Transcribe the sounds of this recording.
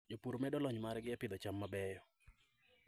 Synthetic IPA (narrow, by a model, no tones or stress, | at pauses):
d͡ʒopuɾomɛdɔlɔɲmaɾɛɡɪɛpɪd̪ɔt͡ʃamːabɛjɔ